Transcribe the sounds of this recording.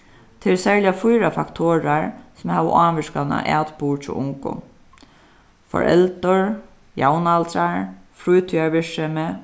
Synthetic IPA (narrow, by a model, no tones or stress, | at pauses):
t̪ʰɛsɛɹljafujɾafakt̪ʰoːɾaɹsʊmhaːʋə̰ʔaːmɪʂkana̰ʔa̰ːt̪puːɹt͡ʃʰɔ̰ʔʊŋkʊ̰ | fɔ̰ɹɛ̰lt̪ʊɹ | jawnalt̪ɾaɹfɾujt̪ʰyaɹʋɪʂɛmɛ